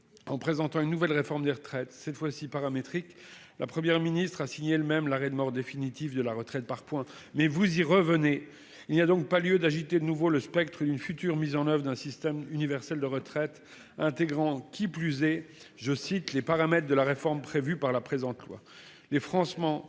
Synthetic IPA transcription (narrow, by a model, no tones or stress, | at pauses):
ɑ̃pχezɑ̃t̪ɑ̃ynːuvɛlʁefɔʁmd̪eʁt̪χɛt̪sɛt̪fwasipaʁamet̪χik | lʔa̰pχəmjɛʁminist̪χasiɲeləmɛmlaʁɛd̪əmɔʁd̪efinit̪ivd̪əlaʁət̪χɛt̪̚paʁpwɛ̃ | mɛvuziʁəvəne | ilniad̪ɔ̃k̚paljød̪aʒit̪ed̪ənuvoləspɛkt̪χəd̪ynfyt̪yʁmizɑ̃nœvʁəd̪ɛ̃sist̪ɛmynivɛʁsɛld̪əʁət̪χɛt̪ | ɛ̃t̪eɡʁɑ̃kʲʰiplyzɛ | ʒəsit̪lepaʁamɛt̪χd̪əlaʁefɔʁmpχevypaʁlapχezɑ̃t̪lwa̰ | lefχɑ̃smɑ̃